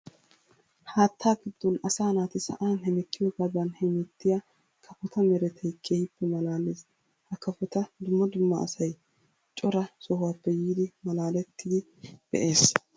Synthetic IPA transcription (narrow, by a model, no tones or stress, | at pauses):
haːt̪ʰːaːɡɪd̪̥ːɔnɐsaːnaːt̪ɪsɐ̰ʔaːnhɛmɛkːɪjɔɡad̪ɐnhɛmɛt̪ːɪja | kʰɐfɔt̪ɐmɛɾɛt̪ʰɛjkʰe̞ːhɪpːɛmɐlaːleːs | hɐkɐfɔt̪ɐd̪ʊmːɐd̪ʊmːɐ̰ːsɐj | t͡ʃʼɔɾɐsɔhʊwaːpːɛjiːd̪ɪmɐlaːlɛt̪ʰːɪd̪ɪ | b̥ɛ̰ʔe̞ːs